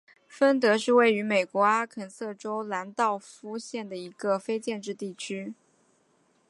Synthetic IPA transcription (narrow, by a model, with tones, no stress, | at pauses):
fə˥nt̪̬ɤ˧˥ʂɻ̩˥˧we˥˩ɪy˧˥me˨˩ɪkwɔ˧˥a˥kʰə˧˩nsɤ˥˩ʈ͡ʂo˥ʊla˧˥nt̪ɑ˥˩ʊfu˥ɕjɛ˥˩nd̪ə˩i˧˥ɡə˧fe˥ɪt͡ɕjɛ˥˧nʈ͡ʂɻ̩˥˧t̪i˥˩t͡ɕʰy˥